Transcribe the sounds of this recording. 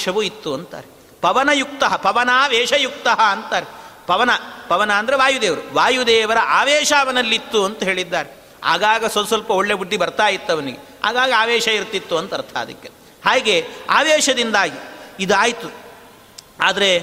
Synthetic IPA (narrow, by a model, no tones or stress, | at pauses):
ʃɐʋuit̪ːuɐnt̪a̰ːɾe | pɐʋɐnɐjuk̚t̪ɐɦɐpɐʋɐnaːʋeːʂɐjuk̚t̪ɐɦɐːnt̪aːɾepɐʋɐnɐpɐʋɐnaːnd̪ɐɾeʋaːjud̪eːʋɐɾuʋaːjud̪eːʋɐɾɐʔaːʋeːʃaːɐʋɐnɐlːit̪ːuɐnt̪ɐɦeːɭid̪ːaːɾe | a̰ːɡaːɡɐsɐlsɐlpɐoɭːebuɖːibɐɾt̪aːjit̪ːɐʋɐniɡe | a̰ːɡaːɡɐaːʋeːʃɐiɾt̪ːit̪ːuɐnt̪ɐɾt̪ʰa̰ːd̪ɐ̰kːe | haːɡea̰ːʋeːʂɐd̪ind̪aːɡiid̪aːjt̪u | aːd̪ɐɾe